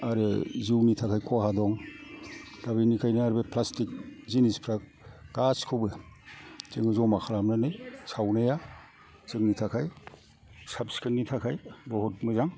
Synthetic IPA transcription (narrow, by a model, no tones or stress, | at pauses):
aɾɯziwnitʰakʰajkʰɔɦadɔŋ | dabinikʰajnaaɾbepʰlastik̚zinispʰɾak̚ | ɡ̥askʰɯwbɯ | t͡ʃeŋɯzɔmakʰaɾamnanɯjsawnaja | t͡ʃɯŋnitʰakʰaj | sapskʰɯnːitʰakʰajbɔɦɔtmɯzaŋ